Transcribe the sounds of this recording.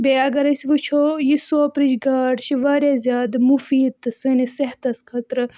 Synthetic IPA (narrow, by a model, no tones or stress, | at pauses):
beɐɡɐɾɐsiʋɨt͡ʃʰojisoːpɾiʃɡaːɖʃiʋɐɾʲjaːzʲjaːd̪ɨmufiːd̪̚t̪ɨsɨniseɦt̪ɐskʰɐt̪ɾɨ